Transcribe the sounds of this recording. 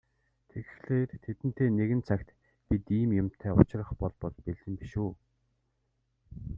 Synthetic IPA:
t̪ʰeɣxɮeːrt̪ʰet̪ɘ̆n̥t̪ʰeːneɣɘ̆nt͡sʰakt̪ | pit̪iːmjʊm̥t̪ʰæːʊ̰t͡ɕɪ̆rə̆χpɔɮpɔɮpeɮɘ̆mpiʃuː

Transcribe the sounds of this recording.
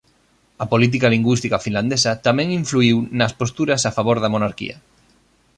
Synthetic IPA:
ɐpolit̪̬ikaliŋɡwist̪ikafinland̪esɐt̪amɛ̃ŋiɱfluiwnɐspost̪uɾɐsafaβoɾðɐmonaɾkḭɐ̰

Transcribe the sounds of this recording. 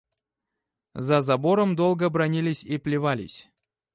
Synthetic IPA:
zɐzɐbo̞ɾəmd̪o̞lˠɡəbɾɐnʲilʲɪsʲiplʲɪvalʲɪ̰sʲ

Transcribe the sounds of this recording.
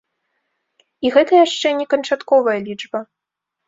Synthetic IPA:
iɣɛt̪ɐjaʂt͡ʂɛnʲɛkɐnt͡ʂat̪kɔvɐjɐlʲid͡ʐbɐ

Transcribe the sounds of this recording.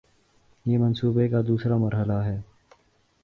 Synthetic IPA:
jeːmɐnsuːbekad̪uːsɾamɐɾɦəlaɦɛː

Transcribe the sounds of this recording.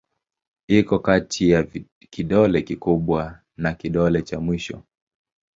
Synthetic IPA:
ikɔkatʰija | kiɗɔlɛkikuɓwa | nakiɗɔlɛt͡ʃamwiʃɔ̰

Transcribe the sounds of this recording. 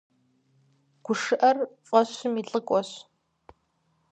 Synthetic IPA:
ɡ̥ʷʊʂɨʔɐrɕʼɔɕʊmiːɬʼɨkʷʼɔɕ

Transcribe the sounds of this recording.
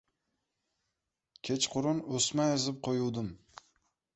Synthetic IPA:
kʲʰet͡ʃqʰʊɾʊnosmajɨzɪp̚qʰojuwd̪ɪm

